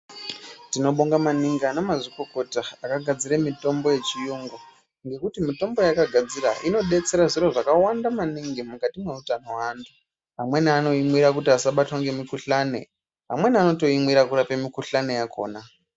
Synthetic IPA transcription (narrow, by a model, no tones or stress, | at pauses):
tino̞ɓoŋɡamaniŋɡanomaʐiko̞ko̞taakaɡʱad͡ziɾemito̞mbo̞je̞t͡ʃijoŋɡo | ŋɡe̞kutimito̞mbo̞jakaɡʱad͡ziɾa̰ʔino̞ɗe̞t͡se̞ɾaʐiɾo̞ʐakawandamaniŋɡimukatimwe̞utano̞waːntʰu | ɦamwe̞niano̞imwiɾakutiasaɓatwaŋɡe̞mikuɬane̞̰ | ɦa̰mwe̞niano̞to̞imwiɾakuɾapemikuɬane̞jakʰo̞̰ːna